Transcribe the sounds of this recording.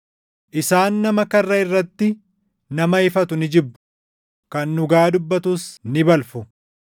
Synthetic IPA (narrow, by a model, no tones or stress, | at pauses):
ʔɪsaːnːɐmɐkɐrːɐɪrːɐt̪ːɪ | nɐmɐɪfɐt̪ʊnɪd͡ʒɪbːʊ̥ | kɐnːʊɡaːd̪ʊbːɐt̪usnɪbɐlfʊ